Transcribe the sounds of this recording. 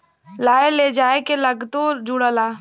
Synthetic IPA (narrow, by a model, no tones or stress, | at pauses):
laːeled͡ʒaːekelɐɡt̪oːɾd͡ʒuɽəlaː